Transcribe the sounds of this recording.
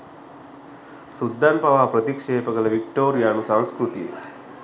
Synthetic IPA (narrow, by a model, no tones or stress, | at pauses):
sud̪ʱːanpɐʋaːpɾɐt̪ikʂeːpəkɐlɐʋik̚ʈoːɾjaːnusaŋskɾut̪ḭḛ